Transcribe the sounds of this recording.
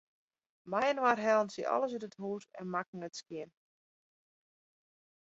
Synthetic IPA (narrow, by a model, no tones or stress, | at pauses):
majənwarɦɛlˠnsiʔɔ̰ləsytəthuːtɛ̰nmak̚ŋ̩ətskjɪn